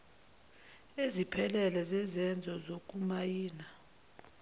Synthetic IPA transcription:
ezipʰɛlɛlɛzɛzɛnd͡zʱɔzok̬ʼumajiːna

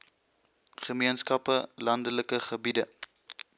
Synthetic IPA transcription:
χəmiənskɐpəlɐndələkəχəbidə

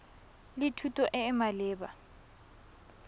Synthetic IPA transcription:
lɪtʰutʼɔʔɪːmalɪːba̰

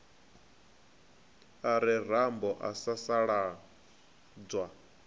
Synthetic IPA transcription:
aɾir̤ambɔʔasasaɺa | d͡zwa

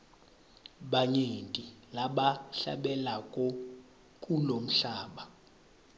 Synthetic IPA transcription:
ɓaɲentʼilaɓaɬa̰ɓɛlakʼɔ | kʼulom̩ɬaːɓa

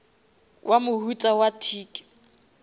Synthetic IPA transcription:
wʔamʊhut͡sʼawatʰiːkʼɪ̥

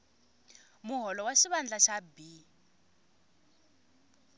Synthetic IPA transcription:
mʊɦɔlɔwaʃiβand͡ɮaʃabi

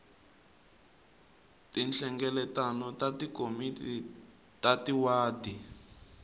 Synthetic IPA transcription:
tinɬɛŋɡɛlɛtanɔtatikomiti | tatiwaːdi

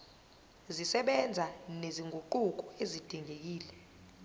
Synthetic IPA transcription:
zisɛɓɛnd͡zʱaneziŋɡʱuǃuk̬ɔezid̥ʱiŋek̬iːlɛ

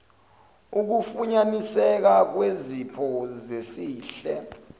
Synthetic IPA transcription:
uk̬ufuɲanisɛk̬ak̬wezipʰɔzesiːɬɛ

